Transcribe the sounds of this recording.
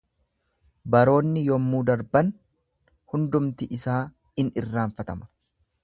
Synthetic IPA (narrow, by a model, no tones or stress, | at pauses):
bɐɾo̞ːnːɪjɔmːuːd̪ɐɾbɐn | hʊnd̪ʊmt̪ɪʔɪsaː | ɪnɪrːaːɱfɐt̪ɐmɐ̥